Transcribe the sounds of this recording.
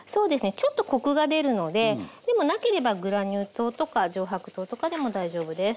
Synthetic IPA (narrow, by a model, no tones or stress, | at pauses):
so̞ːd̪e̞sɨne̞t͡ɕo̞t̪ːo̞ko̞kɯ̟ɡad̪e̞ɾɯ̟no̞d̪ed̪e̞mo̞nake̞ɾe̞baɡɯ̟ɾaɲ̟ʲɯːt̪o̞ːt̪o̞kaʑo̞ːɦakɯ̟̥t̪o̞ːt̪o̞kad̪e̞mo̞d̪aiʑo̞ːbɯ̟d̪e̞sɨ̥